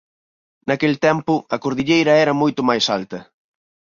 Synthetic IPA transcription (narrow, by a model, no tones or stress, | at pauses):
nɐkelt̪ɛmpʊɐkoɾðiʎejɾɐɛɾɐmojt̪ʊmajsalt̪ɐ